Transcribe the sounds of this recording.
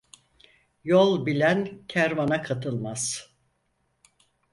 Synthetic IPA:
jolˠbilʲæncʰæɾvanakʰat̪ʰɯlˠmaz̥

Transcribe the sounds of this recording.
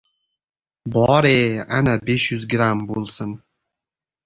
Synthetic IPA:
bɒɾeanabeʃjʊzɡɾambolˠsɪn

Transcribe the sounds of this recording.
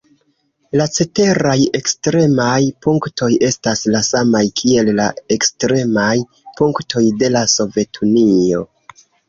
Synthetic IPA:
lat͡se̞te̞ɾaje̞kstɾe̞majpuŋktʰo̞je̞staslasamajkʰie̞llae̞kstɾe̞maj | puŋktʰo̞jde̞laso̞ve̞tʰunio̞̰

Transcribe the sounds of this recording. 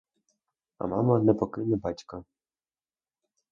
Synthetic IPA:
ɐ̰mɑmɐnɛpɔkɪnɛbɑtʲkɐ

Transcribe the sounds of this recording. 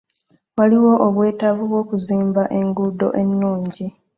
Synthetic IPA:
waliwo̞ʔoβwe̞ːtaβuβwo̞ːkuziːmbaʔe̞ŋɡudo̞̰ʔe̞nːuːɲɟi

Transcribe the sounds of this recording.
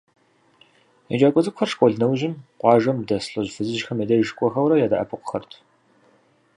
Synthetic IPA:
jɐ̰d͡ʒaːkʷʼɔzʼɨkʷxɐrʂkʷʼɔɮnɐwʒɪmqʷɑːʒɐmdɐsɬʼɐʑfɨzɨʃxɐmjedɐjʃkʷʼɔxɐwɾɐjaːda̰ʔɐ̰pʰɨqʷʊ̥xɐrtʰ

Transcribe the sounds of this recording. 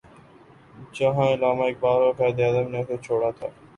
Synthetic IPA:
d͡ʒəɦãːɪlaːmaːɪk̚baːɾoːfɛːd̪eaːd̪əmnẽːt̪ʰoːt͡ʃʰoːɽaːt̪ʰa̰ː

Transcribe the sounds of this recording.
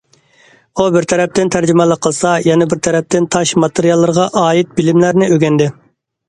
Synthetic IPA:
ubɪɾt̪ʰɛɾɛp̚t̪ɪnt̪ʰæɾd͡ʒymɛlˠəqʰːəlˠsɑjɛnɛbɪɾt̪ʰɛɾɛp̚t̪ɪnt̪ʰɑʃmɑt̪ʰeɾijɑlˠːɨɾʁɑʔɑːit̪̚bɪlɪmlæɾnɪøɡʲɛnd̪ɪ

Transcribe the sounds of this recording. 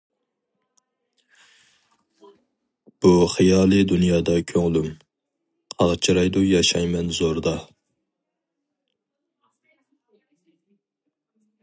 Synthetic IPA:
b̥uχijɑːlˠɨd̪unjɑːd̪ɑkʲʰøŋlym | qʰɑʁt͡ʃʰiɾɑjd̪ujɑʃɑjmɛnzoɾd̪ɑ

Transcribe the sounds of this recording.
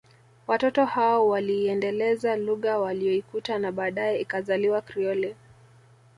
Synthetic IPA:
watɔtɔhaɔwaliːɛndɛlɛzaluɣawaliɔikutanaɓaːɗajɛikazaliwakɾiɔlɛ

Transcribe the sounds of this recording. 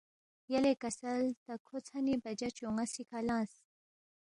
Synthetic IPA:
jɐlekɐsɐlt̪ɐkʰot͡sʰanibɐd͡ʑɐt͡ɕoŋɡasikʰalãːs

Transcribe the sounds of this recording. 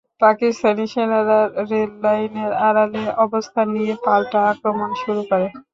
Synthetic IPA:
pakist̪ʰaniʃenaɾaɾːelːajneɾaɾaleʔɔbost̪ʰanijepalʈaakɾomanʃuɾukɔɾe

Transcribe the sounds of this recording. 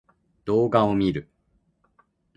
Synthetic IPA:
d̪̥o̞ːɡaomʲiɾɯ̟

